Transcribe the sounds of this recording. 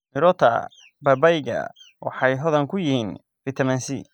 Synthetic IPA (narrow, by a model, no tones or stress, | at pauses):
mɪɾɔt̪ʰɐ̰ | bɐbɛjɡɐ̰ | wɑ̰ħɑjɦɔðɐŋkʰʊjɪhiːn | fɪt̪ʰɐmɐnsḭ